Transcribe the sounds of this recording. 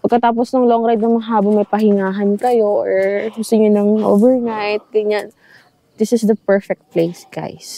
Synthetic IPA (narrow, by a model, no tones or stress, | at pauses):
pɐɡkːɐt̪aːp̬osnoŋlɐoʔoŋɾajd̪̚nɐmɐɐɦaːbɐmɐjpɐɦɪŋaːɦɐnkɐjo̞ʔɔɹɡʊst̪ɪɲonɐŋʔo̰ːvɛɹnajt̪̚ɡɐɲan | d̪ɪsɪsd̪ɐpɛɹfɛk̚t̪̚plejsɡ̥a̰js